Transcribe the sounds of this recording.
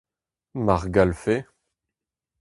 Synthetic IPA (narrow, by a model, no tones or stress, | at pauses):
maʁɡalfe